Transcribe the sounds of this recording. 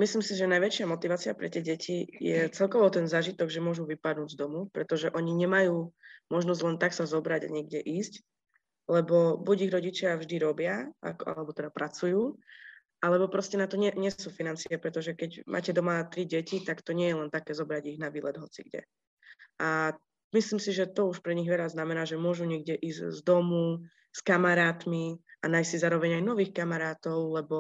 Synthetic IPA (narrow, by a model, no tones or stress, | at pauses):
mislimsiʒɛnajʋɛt͡ʃɪamɔt̪iʋaːt͡siapɾɛt̪ɪɛɟɛcʰijɛt͡sɛlkɔʋɔt̪ɛnzaːʒit̪ɔɡʒɛmʊɔʒuʋipad̪nuːɟzd̪ɔmupɾɛt̪ɔʒɛʔɔɲiɲɛmajuːmɔʒnɔzɟlɛnt̪aksazɔbɾaɟa̰ɲɪɛɡɟɛʔiːsc | lɛbɔbuɟiɣɾɔɟit͡ʃɪavʒd̪iɾɔbɪaa̰kɔa̰lɛbɔt̪ɛd̪apɾʔat͡sujuː | ʔalɛbɔpɾɔscɛnat̪ɔɲɛɲɪɛsuːfinant͡siapɾɛt̪ɔʒɛkɛɟmʔa̰ːcɛd̪ɔmat̪ɾiɟɛcit̪akt̪ɔɲɛjɛlɛnt̪akɛːzɔbɾaɟiɣnaʋiːlɛd̪ɦɔt͡sḭɡɟɛ̰ | ʔa | misliːmsiʒɛt̪ɔuʃpɾɛɲiɣʋɛʎaznamɛnaːʒɛmʊɔʒuɲɛɡ̚ɟɛʔiːzzd̪ɔmu | skamaɾaːt̪miʔanaːjssizaːɾɔʋɛɲajnɔʋiːxkamaɾaːt̪ɔʊlɛbɔ